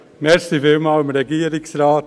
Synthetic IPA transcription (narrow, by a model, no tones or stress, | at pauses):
nɛstifɪlmɑːlɪmɾɛɡiːəɾɪksɾaːt